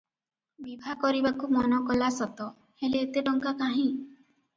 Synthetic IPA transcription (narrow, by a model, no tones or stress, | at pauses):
bibʱakɔɾibakumɔnɔkɔlasɔt̪ɔ | heleːt̪eʈɔŋkakaɦĩ